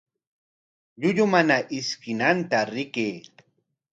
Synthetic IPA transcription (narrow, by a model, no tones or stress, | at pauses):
ʎʊʎʊmanaʔɪskɪnant̪aɾɪkeː